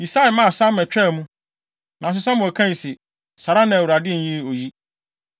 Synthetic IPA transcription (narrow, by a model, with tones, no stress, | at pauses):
mi˨sa˦ɪ˨mã˦˨sa˦mɛ˨t͡ɕᶣɛ˦˨mũ˦ | nã˨s̬ʊ˦sã˦mʊ̃˨æ˨kʰã˦ɲ˨sɪ˨ | sa˨ɾa˦nã˨wu˨a˨dɪ˦˨n̩˦ji˦˨o˨ji˦